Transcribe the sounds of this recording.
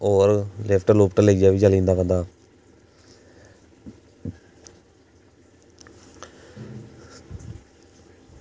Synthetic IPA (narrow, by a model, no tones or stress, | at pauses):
oːɾlɛpʰʈəloːpʰʈəleːd͡ʒaːʋiːt͡ʃəlĩːnd̪aːpənd̪aː